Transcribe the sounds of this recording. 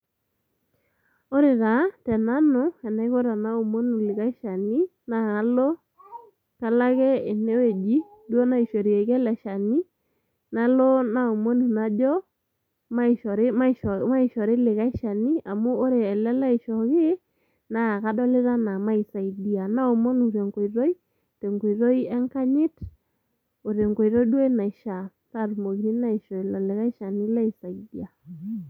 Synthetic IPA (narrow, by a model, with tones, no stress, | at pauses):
o˦ɾɪ˨ɾa˨˦tɛ˨na˦nʊ˨˦ɛ˨na˨ɪ˦kɔ˦ɾa˨na˦o˨mo˦nu˨lɪ˨ka˦ʃa˨ni˦ | na˨a˨˦lɔ˦ | ka˨la˦kɛ˦ɪ˨nɛ˦we˨d͡ʒi˦du˦o˦na˦i˨ʃo˨ɾi˨e˨kɛ˦lɛ˨ʃa˨ni˦ | na˦lɔ˦na˦o˨mo˦nu˨na˦d͡ʒɔ˦ | ma˦˨ʃɔ˨ɾe˦ma˦i˦ʃma˦i˨ʃɔ˨ɾe˦lɪ˨ɣa˦ʃa˨ni˦a˨moː˦ɾe˨ɛ˨lɛ˦la˦ɪ˨ʃɔ˨ɣe˦ | na˨a˨ka˦dɔ˦lɪ˦ɾa˦na˨ma˦i˨sa˨i˨di˨a˨na˦o˨mo˦nu˨ɾe˨ŋɡo˨i˨ɾo˦i˦ | te˨ŋɡo˨i˨ɾɔ˦i˦ɛ˦ŋka˦ɲɪ˦t | o˨ɾe˨ŋɡo˨i˨ɾɔ˦i˦dwe˦na˨i˨ʃa˨ | ta˦˨ɾu˨mo˨ki˨ɾi˦na˦i˨ʃɔ˨i˨lɔ˨lɪ˨ɣa˦i˦ʃa˨ni˦la˦i˨sa˨i˨di˦a˨